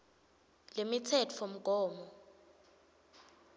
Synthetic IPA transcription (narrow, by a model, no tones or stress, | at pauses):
lemitʰɛt͡fʰom̩ɡ̥ʱɔːmɔ